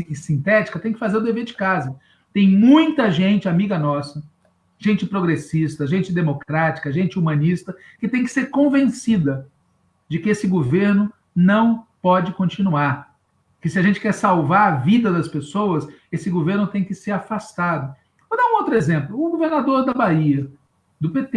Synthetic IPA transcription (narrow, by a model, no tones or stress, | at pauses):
sĩnt̪ɛt͡ʃi̥kɐt̪ẽj̃kɪfazeɾʊd̪eveɾd͡ʒɪkazɐ | t̪ẽj̃mũj̃t̪ɐʒẽnt͡ʃɪamiɡɐnɔsɐ | ʒ̥ẽnt͡ʃɪpɾoɡɾesist̪ɐʒẽnt͡ʃɪd̪emokɾat͡ʃi̥kɐʒẽnt͡ʃɪumɐ̃nist̪ɐ | kɪt̪ẽj̃kɪ̥seɾkõvẽsid̪ɐ | d͡ʒɪkɪesɪɡoveɾnʊ | nɐ̃w̃pɔd͡ʒɪkõnt͡ʃinuaɾ | kɪsɪaʒẽnt͡ʃɪ̥kɛɾsawvaɾɐvid̪ɐd̪ɐspesowɐs | esɪɡoveɾnʊt̪ẽj̃kɪseɾafast̪ad̪ʊ | vod̪aũowt̪ɾʊezẽmplʊʊɡoveɾnad̪oɾd̪ɐbaiɐ | d̪ʊpet̪e